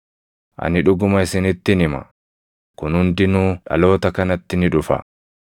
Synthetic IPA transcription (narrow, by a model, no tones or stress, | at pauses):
ʔɐ̰nɪᶑʊɡʊmɐɪsɪnɪt̪ːɪnɪmɐ̰ | kʊnhʊnd̪ɪnuːᶑɐ̰lo̞ːt̪ɐkɐnɐt̪ːɪnɪᶑʊfɐ̰